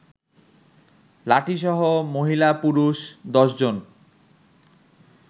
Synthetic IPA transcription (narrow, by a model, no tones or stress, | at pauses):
laʈʰiʃɔɦomoɦilapuɾuʃd̪ɔʃd͡ʑon